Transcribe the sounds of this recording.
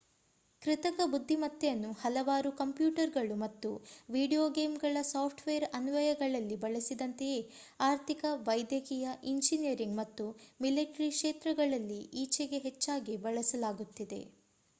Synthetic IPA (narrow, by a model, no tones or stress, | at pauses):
kɾit̪ɐkɐbud̪ʱːimɐt̪ːejɐnːuhɐlɐʋaːɾukɐmpjuːʈɐɾɡɐɭumɐt̪ːuʋiːɖijoːɡe̞ːmɡɐɭɐsaːpʰʈʋeːɐɾɐnuʋɐjɐɡɐɭɐlːibɐɭɐsid̪ɐnt̪ejeː | aːɾt̪ʰikɐʋɐjd̪jɐkijɐʔind͡ʒinijɐɾiŋɡmɐt̪ːumileːʈɾikʂeːt̪ɾɐɡɐɭɐlːiiːt͡ʃeɡe̞ɦet͡ʃːaːɡibɐɭɐsɐlaːɡut̪ːid̪e̞̰